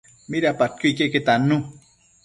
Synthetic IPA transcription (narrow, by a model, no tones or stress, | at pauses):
miɾapat̪̚kuikeket̪anu